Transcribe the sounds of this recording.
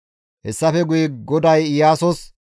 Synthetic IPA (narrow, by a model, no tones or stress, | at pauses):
hɛsːɐfɛɡʊjɛɡɔd̪ɐjɪjaːsɔs